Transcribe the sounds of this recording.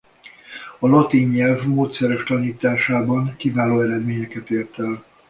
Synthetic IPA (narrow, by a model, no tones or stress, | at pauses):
ɒlɒt̪iɲːɛlvmoːt̪sɛɾɛʃt̪ɒniːt̪aːʃaːbɒŋkivaːloːɛɾɛd̪meːɲɛkɛt̪eːrt̪ɛl